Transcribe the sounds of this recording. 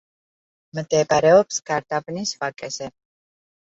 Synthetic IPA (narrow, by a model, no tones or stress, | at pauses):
md̪ɛbaɾɛɔpsɡ̥aɾd̪abnisvakʼɛzɛ